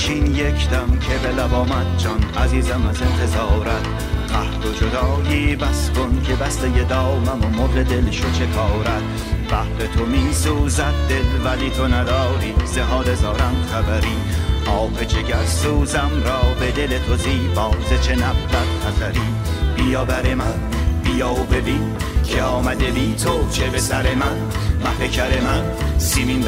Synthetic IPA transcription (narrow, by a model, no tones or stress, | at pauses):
t͡ʃʰinjekʰt̪æmkʰe̞belæbɒːmæd̪̚d͡ʒɒnæziːzæmæzent̪ʰezɑːɾæd̪̥ | qæhd̪od͡ʒod̪ɒːʔiːbæskonkʲʰebæst̪ejed̪ɒːmæmomoɾed̪e̞lʃot͡ʃʰe̞kʰɑːɾæd̪̥̚ | bæhbet̪ʰomiːsuːzæd̪̚d̪e̞lvælit̪ʰonæd̪ɒːɾiːz̥eɦɒːd̪ezɒːɾæmχæbæɾiːɒːbet͡ʃʰeɟæɾsuːzæmɾɒːbe̞d̪e̞let̪ʰoziːbɒːwzet͡ʃʰe̞næbdæt̪̚χæzæɾiː | b̥ijɑːbæɾemæ | b̥ijɒbe̞biː | cʰeɒːmæd̪ebiːt̪ʰowt͡ʃʰe̞besæɾe̞mæn | mæhecʰæɾemæn | simin